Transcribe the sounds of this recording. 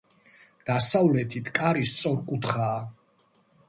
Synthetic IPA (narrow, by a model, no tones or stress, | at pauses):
d̪̥asavlɛt̪ʰit̪ʰkʼaɾist̪sʼɔɾkʼut̪ʰχaː